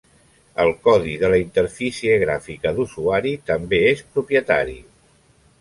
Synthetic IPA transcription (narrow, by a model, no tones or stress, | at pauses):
ə̰lˠkɔðiðələint̪əɾfisiəɣɾafikəðusuaɾit̪əmbeespɾupjət̪a̰ɾḭ